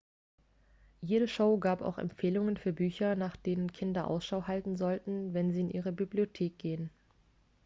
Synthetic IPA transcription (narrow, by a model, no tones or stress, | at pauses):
jeːɾəʃoʊɡaːpa̰ʊxɛ̰mfeːlʊŋənfyːɐbyːçɐnaːχd̥eːnənkʰɪndɐʔa̰ʊsʃaʊɦaltn̩zɔltn̩vɛnziːɪnʔḭːʁəbibliotʰeːk̚ɡ̥eːən